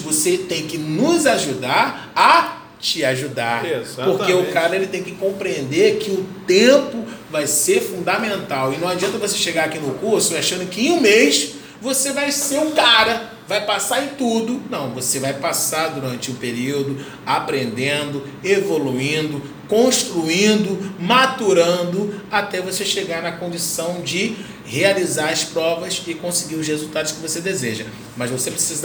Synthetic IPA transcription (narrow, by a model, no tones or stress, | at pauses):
voset̪ẽj̃kɪnʊzaʒud̪aɾ | ɐ | t͡ʃɪaʒud̪aɾezapoɾkeʊkaɾɐelɪt̪ẽj̃kɪkõpɾiẽnd̪eɾkɪʊt̪ẽpʊvajseɾfũnd̪amẽnt̪awɪnɐ̃w̃ad͡ʒiɐ̃nt̪ɐvoseʃeɡaɾakinʊkuɾsʊaʃɐ̃nd̪ʊkɪẽũmejʃ | vosevajseɾũkaɾɐ | vajpasaɾɪ̃t̪ud̪ʊnɐ̃w̃vosevajpasaɾd̪uɾɐ̃nt͡ʃɪũpeɾiwd̪ʊ | apɾẽnd̪ẽnd̪ʊ | evoluĩnd̪ʊ | kõʃt̪ɾuĩnd̪ʊmat̪uɾɐ̃nd̪ʊat̪ɛvoseʃeɡaɾnɐkõnd͡ʒisɐ̃w̃d͡ʒɪ | healizaɾɐspɾɔvɐsɪkõsɪɡiɾʊs̬hezuwt̪ad̪ʊskɪvosed̪ezeʒɐ | mɐzvosepɾesiz